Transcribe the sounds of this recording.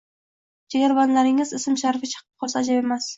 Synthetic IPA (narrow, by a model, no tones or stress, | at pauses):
d͡ʒeɡʲaɾbanlaɾɪŋɪzɪsɪmʃaɾfɪt͡ʃʰɨ̥qʰɨp̚qʰɒlˠsaːd͡ʒabemas